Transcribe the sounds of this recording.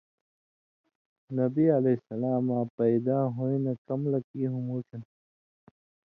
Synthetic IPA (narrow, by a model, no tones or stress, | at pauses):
nɐbiɐlesɐlaːmãːpɐjd̪aːɦoĩnɐkɐmlɐkiːɦumoːt͡ɕɐn